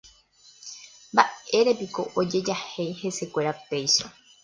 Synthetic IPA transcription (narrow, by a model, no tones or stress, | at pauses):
mbaeɾe̞piko̞ʔod͡ʒe̞d͡ʒahe̞jhe̞se̞kʷe̞ɾape̞jʃo